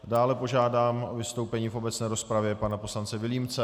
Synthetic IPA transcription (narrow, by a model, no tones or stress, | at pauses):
daːlɛpo̞ʒaːdaːmʔo̞vɪst̪o̞wpɛɲiːfʔo̞bɛt͡snɛːɾo̞spɾavjɛpanapo̞slant͡sɛvɪliːmt͡sɛ